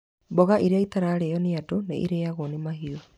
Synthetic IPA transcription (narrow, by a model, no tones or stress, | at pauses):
bɔɣaʔiɾeaitaɾaɾejɔneadonaʔḭɾeaɣonemaɦiɔ